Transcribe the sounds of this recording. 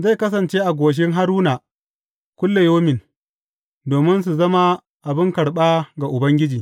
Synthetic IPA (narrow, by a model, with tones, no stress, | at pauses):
za˦˨kɐ˦s̬ɐ˨nt͡ʃeː˦ʔa˨ɡʷoː˨ʃ̬ɪ˦ŋɦa˦ɾuː˦naː˨ | kʷʊ˦lːe˨joː˦mɪ˨n | doː˨mɪ˦ns̬u˨zɐ˦ma˦ | ʔa˨bɪ˦ŋkɐ˨ɽɓaː˦ɡa˨ʔʊ˨bɐ˦ŋɡʲɪ˦d͡ʒiː˨